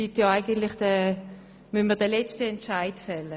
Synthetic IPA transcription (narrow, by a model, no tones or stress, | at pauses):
itjɔaɪɡəntlɪχd̥ɛ | mynmədɛlɛt͡stəɛntt͡ʃaɪtfɛlə